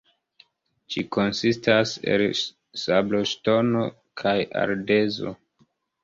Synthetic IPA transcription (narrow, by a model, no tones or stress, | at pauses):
d͡ʒiko̞nsistase̞̰l | sabloʃto̞no̞ | kʰaja̰ɾde̞zo̞̰